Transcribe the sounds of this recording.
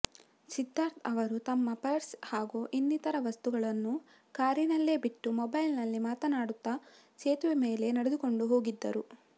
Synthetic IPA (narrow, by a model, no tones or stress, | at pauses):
sid̪ʱːaːɾt̪ʰɐʋɐɾut̪ɐmːɐpɐɾshaːɡuʔinːit̪ɐɾɐʋɐst̪uɡɐɭɐnːu | kaːɾinɐlːeːbiʈːumɔbɐjlnɐlːimaːt̪ɐnaːɽut̪ːɐ | t͡ʃeːt̪uʋime̞ːle̞nɐɽed̪uko̞ɳɖuɦo̞ːɡid̪ːɐ̰ɾu